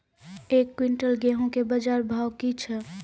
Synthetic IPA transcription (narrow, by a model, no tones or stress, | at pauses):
ekːwiɳʈəlɡɛɦõkebəd͡ʒaːɾbʱaːwkit͡ʃʰɛ